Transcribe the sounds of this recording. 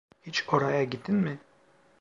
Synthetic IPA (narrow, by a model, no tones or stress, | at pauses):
hit͡ʃoɾajaɟid̪inmɪ